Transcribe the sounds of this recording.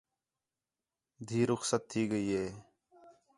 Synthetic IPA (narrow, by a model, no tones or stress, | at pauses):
d̪ʱiːɾʊxsət̪ʰːiːɡəiːɦeː